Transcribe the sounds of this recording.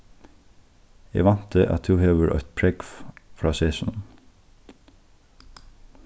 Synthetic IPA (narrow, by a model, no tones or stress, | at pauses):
æ̰ːʋɑnt̪ʰəʔɑ̰t̪̚ʰʉːheːʋəɹʔœ̰t̪̚pʰɹɛɡffɹɑːseːsʊnn̩